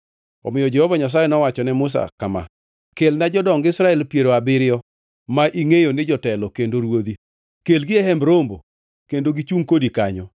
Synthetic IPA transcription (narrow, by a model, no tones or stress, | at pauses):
ɔ̰mɪjɔd͡ʒɛhovaɲas̬ajɛnɔwat͡ʃɔnɛmʊs̬a̰kama̰ | kelnad͡ʒɔdɔŋɡɪɪsɾaɛlpjeɾoabɪɾɪjɔ | maʔiŋejonɪd͡ʒɔtɛlɔkendoɾwod̪i | kelɡɪɛhɛmbɾombo̰ | kendoɡit͡ʃuŋkodikaɲɔ